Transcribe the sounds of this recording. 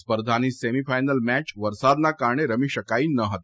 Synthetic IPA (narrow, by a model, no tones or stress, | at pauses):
spəɾd̪ʱaniːsemifajnəlmæt͡ɕʋəɾsad̪nakaɾɳeɾəmiːɕəkaiːnəɦət̪